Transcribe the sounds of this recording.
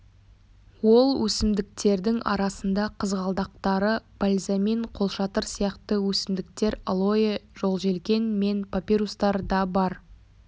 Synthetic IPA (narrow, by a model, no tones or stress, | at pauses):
wo̞lˠwʔɵsɪmd̪ɪk̚t̪e̞ɾd̪ɪŋɑ̰ɾɑsənd̪ɑqʰəzʁɑlˠd̪ɑq̚t̪ɑɾəb̥alʲzame̞ɴqʰo̞lˠʃɑt̪əɾsijɑqt̪əwɵsɪmd̪ɪk̚t̪e̞ɾalˠo̞jeʒo̞lˠʒe̞lkʲe̞nme̞npʰopʲiɾust̪ɑɾd̪ɑbɑɾ